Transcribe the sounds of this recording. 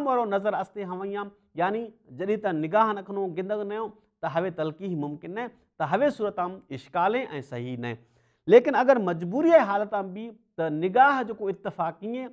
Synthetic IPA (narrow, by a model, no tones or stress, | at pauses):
mʋɐːɾonɐzəɾɐst̪eɦɐʋãĩjãː | jaːnid͡ʒɐɗĩt̪ɐ̃nɪɡaːɦnɐkʰnõɡɪ̃nd̪əɡnɐjõː | t̪ɐɦɐʋet̪ɐlkiːɦmʊmkɪnːɐẽ | t̪ɐɦɐʋesuːɾət̪ãːmɪʃkaːlẽʔɛ̃ːsɐɦinɐɦḛ̃ | leːkɪnɐɡəɾmɐd͡ʒbuːɾijaːeɦaːlət̪ãːmbʱit̪ɐnɪɡaːɦd͡ʒoːkoɪt̪ːɪfaːkːiẽː